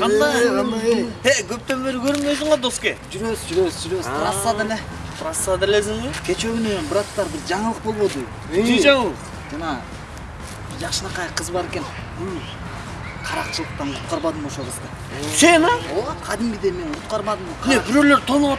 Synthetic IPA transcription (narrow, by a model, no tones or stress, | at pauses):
qɑnd̪ɑ | ekʰøp̚t̪ømbeɾkʰøɾmøjsɪɴɑd̪o̞skʲed͡ʒyɾezɾed͡ʒyɾezɾɑsːɑd̪əne | ɾɑsːɑd̪lesɪŋɪkʲʰe̞t͡ʃeɡʲɪnønbəɾɑt̪ːɑɾbɪɾd͡ʒɑɴəlˠəq̚bo̞lˠβo̞d̪ə | t̪eʒɑɴlˠq | d͡ʒɑnɑ | d͡ʒɑqʃənɑqɑjqʰːəzbɑɾe̞kʲe̞n | ɡyl | qʰɑɾɑqt͡ʃəlˠəq̚t̪ɑɴqʰʊ̥t̪̚qɑɾbɑd̪əmoʃobəzd̪ɑ | senɑoqʰɑd̪imɡʲid̪eme̞nqʰʊt̪qɑɾmɑd̪əmolebɪɾøløɾt̪ʰon